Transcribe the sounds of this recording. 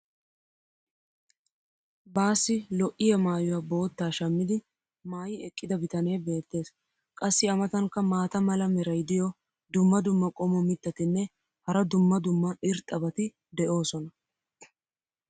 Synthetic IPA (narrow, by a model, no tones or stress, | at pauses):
baːsːɪlɔʔɪjɐmaːjʊwɐbo̞ːt̪ːaːʃɐmːɪd̪ɪ | maːjɪɛkʼːɪd̪ɐbɪt̪ɐneːbe̞ːt̪ːe̞ːs | kʼɐsːɪɐmɐt̪ɐŋkːɐmaːt̪ɐmɐlɐmɛɾɐjd̪ɪjɔ | d̪ʊmːɐd̪ʊmːɐkʼɔmɔmɪt̪ːɐt̪ɪnːɛ | hɐɾɐd̪ʊmːɐd̪ʊmːɐɪɾt̪ʼːɐbɐt̪ɪ | d̪ɛʔo̞ːsɔnɐ